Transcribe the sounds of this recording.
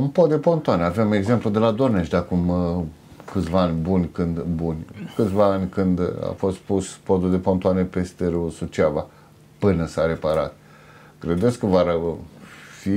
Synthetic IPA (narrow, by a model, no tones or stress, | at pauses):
unpot̪d̪epo̞nt̪oaneave̞me̞ɡze̞mplud̪e̞lad̪orneʃd̪akum | kɨt̪sʲvaanʲbunʲkɨnd̪bunʲkɨt̪sʲvaanʲkɨnd̪a̰fo̞st̪puspod̪ud̪epo̞nt̪oanepest̪eɾusut͡ʃava̰ | pɨnəsaɾe̞paɾa̰t̪ | kɾe̞d̪eskəvaɾ | fi